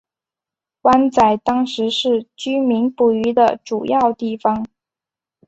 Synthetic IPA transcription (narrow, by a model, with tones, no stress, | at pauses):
wa˥nt͡sa˨˩ɪt̪ɑ˥ŋʂɻ̩˧˥ʂɻ̩˥˩t͡ɕy˥mi˧˥ŋpu˨˩y˧˥d̪ə˧ʈ͡ʂu˨˩jɑ˥˧ʊt̪i˥˩fɑ˩ŋ